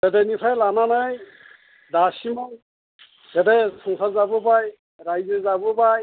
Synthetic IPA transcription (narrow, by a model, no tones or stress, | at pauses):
tɛtɛnipʰajlananaj | dasimɔn | tɛtɛsɔŋsʰazabɔpaj | ɾajzezabɔpaj